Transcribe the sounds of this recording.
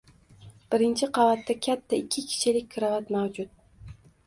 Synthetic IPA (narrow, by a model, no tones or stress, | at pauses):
b̥ɪɾɪnt͡ʃʰɪqʰɑvat̪ːakʲʰat̪ʰːaɪkʲʰːɪkʲʰɪ̥ʃʰɪlɪk̚ʲkʰɾavat̪mawd͡ʒʊt̪̚